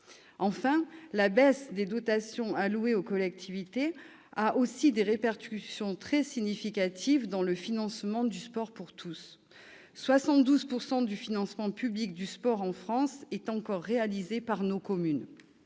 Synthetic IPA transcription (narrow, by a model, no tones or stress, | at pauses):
ɑ̃fɛ̃labɛsd̪ed̪ɔt̪asjɔ̃alueokɔlɛk̚t̪ʰivit̪e | aʔosid̪eʁepaʁkʲysjɔ̃t̪χɛsiɲifikʲat̪ʰivd̪ɑ̃ləfinɑ̃smɑ̃d̪yspɔʁpuʁt̪ʰusː | wasɑ̃t̪̚d̪uzpuʁsɑ̃d̪yfinɑ̃smɑ̃pyblik̚d̪yspɔʁɑ̃fχɑ̃sɛt̪ɑ̃kɔʁːealizepaʁnokɔmyn